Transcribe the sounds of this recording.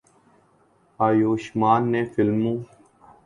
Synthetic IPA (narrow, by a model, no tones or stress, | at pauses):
aːjoːʃmaːnːẽːfɪlmũː